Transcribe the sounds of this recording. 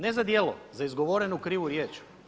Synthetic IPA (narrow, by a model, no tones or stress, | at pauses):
nezad̪jeːlˠo̰zaizɡo̞ʋoɾenukɾiːʋuɾjeːt͡ʃ